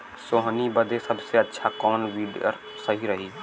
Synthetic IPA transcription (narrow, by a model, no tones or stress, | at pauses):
soːɦnibəd̪ʱesɐbseɐtːʃʰakɔːnʋiːɖə̰ɾ | sɐɦiɾɐɦiː